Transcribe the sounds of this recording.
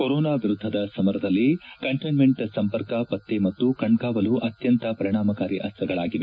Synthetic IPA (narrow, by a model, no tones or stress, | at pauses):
koɾoːnaːʋiɾud̪ʱːɐd̪ɐsɐmɐɾɐd̪ɐlːikɐɳʈɐnmeɳʈsɐmpɐɾkɐpɐt̪ːemɐt̪ːukɐɳɖkaːʋɐluʔɐt̪jɐnt̪ɐpɐɾiɳ̃aːmɐkaːɾjiʔɐst̪ɐɡɐɭaːɡiʋe